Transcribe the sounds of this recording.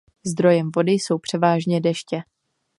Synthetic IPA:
zd̪ɾo̞jɛmvo̞dɪjso̞wpr̥ɛvaːʒɲɛdɛʃcɛ

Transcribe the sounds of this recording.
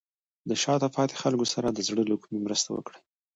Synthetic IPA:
d̪əʃɑt̪apɑt̪e̥xalkosaɾad̪əzɽəlokumimɾəst̪awə̰kɽa

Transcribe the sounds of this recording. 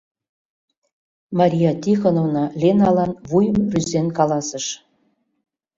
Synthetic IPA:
mɑɾʲijɑt̪ʲixonovnɑlʲenɑlˠɑnβujə̆mryzenkɑlˠɑsɤ̆ʃ

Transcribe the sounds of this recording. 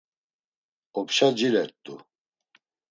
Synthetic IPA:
ɔpʃad͡ʒilɛɾt̪ʼːṵ

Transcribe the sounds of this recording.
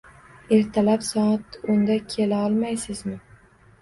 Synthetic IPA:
e̞ɾt̪ʰalapsɒt̪ʊnd̪akʲʰe̞laɒlˠmajsɪzmɪ

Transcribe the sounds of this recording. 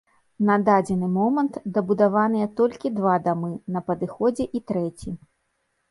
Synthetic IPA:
nɐd̪ad͡zʲɛnɨmɔmɐnt̪d̪ɐbud̪avanɨjɛt̪ɔlʲkʲid̪vad̪amɨnɐpɐd̪ɨxɔd͡zʲɛʔit̪ɾɛt͡sʲi

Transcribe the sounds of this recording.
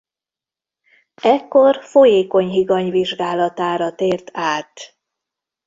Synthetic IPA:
ɛkːo̞rfo̞jeːko̞ɲɦiɡɒɲviʒɡaːlɒt̪aːɾɒt̪eːrt̪aːt̪

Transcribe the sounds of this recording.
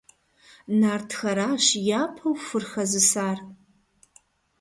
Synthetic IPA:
naːrtʰxɐɾaːʃjaːpʰɐwfɨrxɐzɨsaːr

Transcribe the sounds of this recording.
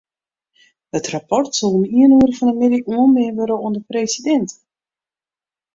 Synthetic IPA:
hətrapɔrtsɔlˠəniənuəɾəfɔndəmɪdiʔuənmeːnʋøɾəuəndəpreːsidɛnt

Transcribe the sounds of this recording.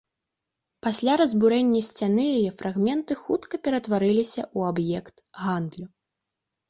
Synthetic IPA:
pasʲlʲaɾɐzʲbuɾɛnʲːɐsʲt͡sʲanɨjajɛfɾʔaɣmʲɛnt̪ɨxut̪kɐpʲɛɾɐt̪vaɾɨlʲisʲɐʔuabjɛkt̪ɣand̪lʲu

